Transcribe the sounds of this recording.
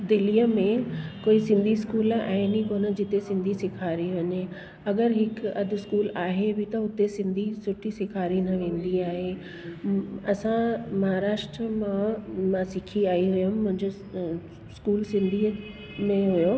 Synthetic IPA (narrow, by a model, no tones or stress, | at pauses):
d̪ɪlijəmẽkoːisɪ̃nd̪ʱiskuːlɛ̃ɪnikoːnəd͡ʑɪt̪esɪ̃nd̪ʱisɪkʰaːɾiʋɐɲe | ɐɡəɾɦɪkɐd̪ʱɪ̆skuːlaːɦebɪt̪ɐʊt̪esɪ̃nd̪ʱisʊʈʰisɪkʰaːɾinɐʋẽːnd̪iaːɦe | ɐsãmɐɦaɾaːʃʈ̪ɾəmãmãsɪkʰiaːiɦʊjʊmmʊ̃ɦɪ̃ɲd͡ʑʊ | skuːlsɪ̃nd̪ʱi | mẽɦʊjo